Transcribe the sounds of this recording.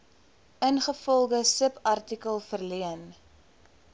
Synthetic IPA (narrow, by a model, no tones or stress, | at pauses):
ʔənχəfɔlˠdəsəpɐrtikəlˠfərliən